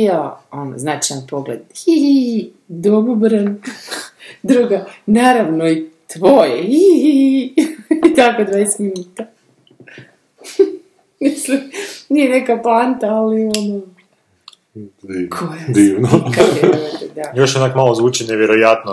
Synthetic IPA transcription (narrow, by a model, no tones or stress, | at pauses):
jaono̰znat͡ʃajanpo̞ɡlḛd̪i | d̪obubɾn | d̪ɾuɡanaːɾaʋnoit̪ʋojeii | it̪akod̪ʋaːest̪minuːt̪a | mislimnijenekaplant̪aːliono | d̪iːkʰojad̪iːʋnokaoeɾed̪ajoʃjonakmalˠozʋuːt͡ʃineʋjeɾojat̪no